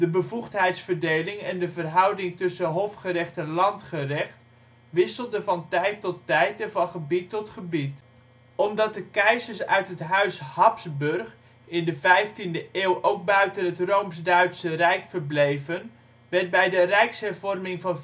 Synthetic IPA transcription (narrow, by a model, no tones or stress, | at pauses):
dəbəvuχtɦɛjtsfərdejlɪŋɛndəvərɦʌwdɪŋtɵsənɦofχəɾɛχtɛnlɑntχərɛχt | ʋɪsəl̩ˠdəvɑntɛjtːɔtːɛjtɛnvɑnχəbitːɔtχəbit | ɔmdɑt̚dəkɛjzəɹsœ̰ɥtɦətɦœɥshɑpsbɵrχ | ɪndəvɛjftindəʔɪːwʔowɡ̚bœɥtənɦətrowmsdœɥtsərɛjkfərblejvən | ʋɛrt̚bɛjdərɛjksɦɛrvɔrmɪŋvɑn